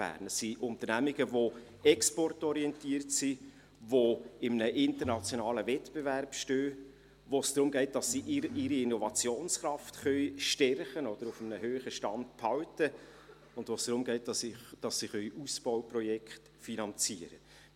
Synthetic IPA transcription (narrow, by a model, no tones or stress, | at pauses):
b̥æ̰ːɾnɛsːiʔʊnt̪əɾnæmiɡəvo | ɛkspɔrtɔɾiɛntiːərtsi | voɪmənəʔɪnt̪əɾnɑt͡sjonɑːləvɛtb̥eværpʃtøː | ʋosd̥ɾʊmɡ̥ɛɪt̚d̥ɑsːiʔɪɾiɪnɔvɑt͡sjoːnsχɾɑftχœʏʃtɛrχənɔd̥̪əɾʊfəmənəhøːχəʃtɑnd̚pʰhɑwtə | ʊndvosd̥ɾʊmɡɛɪtɑsd̥ɑsːiχœʏʔusb̥ɔʊwprɔjɛkχt | finɑnt͡siəɾə